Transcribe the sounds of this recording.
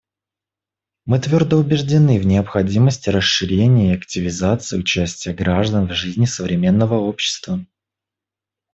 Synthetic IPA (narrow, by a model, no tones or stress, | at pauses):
mɨt̪vʲo̞rd̪əʊbʲɪʐdʲɪnɨvnʲɪəpxɐdʲiməsʲtʲɪɾəʂɨɾʲenʲɪːɐktʲɪvʲɪzat̪sɨːʊt͡ɕæsʲtʲɪjəɡɾaʐd̪ənvʐɨzʲnʲɪsəvɾʲɪmʲe̞nːəvəopɕːɪ̥st̪və